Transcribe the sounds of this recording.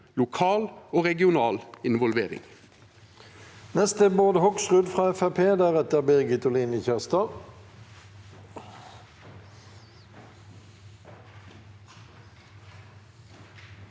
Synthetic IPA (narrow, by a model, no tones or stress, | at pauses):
lʊkʰɑːloːʁɛɡɪʊnɑːlɪnʋɔlʋeːʁɪ̰ŋ | nɛst̪əboːd̪əhɔksʁʉd̪fʁɑːɛfæpʰeːd̪æːʁɛt̪əʁbɛʁɡɪt̪ɔliːnəçæʁst̪ɑ